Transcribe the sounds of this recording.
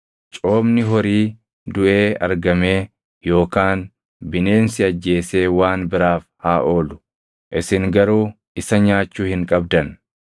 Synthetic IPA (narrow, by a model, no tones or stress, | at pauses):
t͡ʃʼo̞ːbnɪɦɔɾiː | d̪ʊʔe̞ːɐ̰ɾɡɐme̞ː | jo̞ːkaːn | bɪne̞ːnsɪɐd͡ʒːe̞ːse̞ːwaːnbɪɾaːfhaːʔo̞ːlʊ̥ | ʔɪsɪŋɡɐɾuː | ʔɪsɐɲaːt͡ʃːuːhɪŋkʼɐb̚d̪ɐn